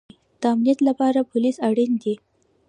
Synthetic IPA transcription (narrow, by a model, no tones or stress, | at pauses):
d̪̥əamnijat̪lapɑɾapʊlisaɽind̪i